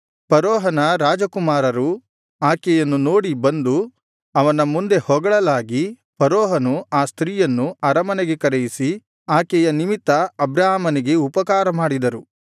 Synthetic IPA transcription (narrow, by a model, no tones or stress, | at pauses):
pɐɾɔːɦɐnɐɾaːd͡ʒɐkumaːɾɐɾu | aːkɛjɐnːuno̞ːɽibɐnd̪u | ɐʋɐnɐmund̪e̞hɔɡɐɭɐlaːɡi | pɐɾɔːɦɐnuaːst̪ɾiːjɐnːuɐɾɐmɐneɡe̞kɐɾejisi | aːkɛjɐnimit̪ːɐɐbɾaːmɐniɡe̞upɐkaːɾɐmaːɽid̪ɐɾu